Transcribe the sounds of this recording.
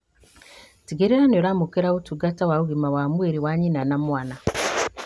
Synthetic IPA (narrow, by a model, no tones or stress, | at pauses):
tiɡeɾeɾanoɾamukeɾaotuɡatawauɣimawamweɾiwaɲinanamwaːna